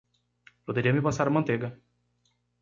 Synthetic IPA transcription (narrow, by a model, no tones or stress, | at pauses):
pod̪eɾiɐmɪpasaɾɐmɐ̃nt̪eɡɐ